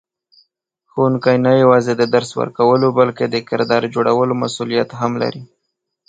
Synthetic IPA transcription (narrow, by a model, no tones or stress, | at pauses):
xunkɑjnajawɑzed̪əd̪aɾswə̰ɾkawəlobalked̪əkɪɾd̪ɑɾd͡ʒoɽawəloma̰sulijat̪ɦamla̰ɾi